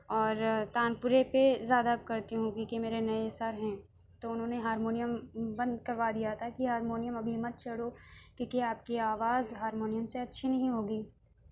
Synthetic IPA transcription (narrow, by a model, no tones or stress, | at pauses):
ɔːɾt̪aːnpʊɾepezjaːd̪abkɐɾt̪iɦũɦoːɡikimeːɾenɐesɐɾɦɛ̃ː | t̪oʊnɦõːneɦaːɾmoːnijəmbɐ̃nd̪kɐɾʋad̪ijat̪ʰakiɦaːɾmoːnijəmɐbʱimɐt̪̚t͡ʃʰɐɽokĩːkiaːp̚kiaːʋaːzɦaːɾmoːnijəmseɐtːʃʰinɐɦĩɦoːɡiː